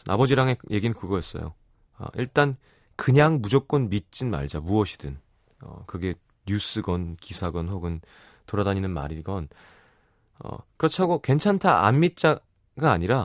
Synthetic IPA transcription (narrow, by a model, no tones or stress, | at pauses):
na̰bʌd͡ʑiɾaŋe̞jʔe̞ɡinɯnkɯɡʌɦes͈ʌ̰jo̰ | ʌ̰ʔiɭt͈an | kɯɲaŋmud͡ʑok͈̚ʌnmit̚t͡ɕ͈inma̰ɭd͡ʑamuʌɕʰi̥d̥ɯn | ʌ̰kɯɡe̞ | ɲus͈ɯɡʌnkisʰaɡʌnɸoɡɯn | toɾadaɲinɯnma̰ɾiɡʌn | ʌ̰kɯɾʌt͡ɕʰaɡokwe̞nt͡ɕʰantʰaa̰nmit̚t͡ɕ͈a | ɡaːɲiɾa